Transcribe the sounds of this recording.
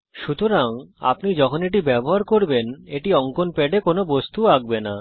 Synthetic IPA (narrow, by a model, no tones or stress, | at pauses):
ʃut̪oɾaŋa̰pnid͡ʑɔkʰoneʈ̬ibɛboɦaɾkoɾbeneʈiɔŋkonpeɖekonobost̪uaɡ̚bena